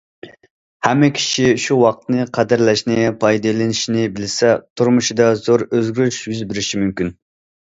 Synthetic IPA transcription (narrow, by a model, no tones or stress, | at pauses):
hɛmːɪkʲʰi̥ʃiʃuwɑq̚t̪nɨqʰæd̪ɪɾlɛʃnɪpʰɑjd̪ɨlˠɪnɪʃinɪbɪlsɛt̪ʰuɾmʊʃid̪ɑzoɾøzɡʲyʃjyzbɪɾɪʃimymkʲyn